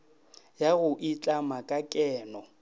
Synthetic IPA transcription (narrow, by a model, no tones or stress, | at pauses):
jaɣʊʔit͡ɬʼamakʼakʼɛːnɔ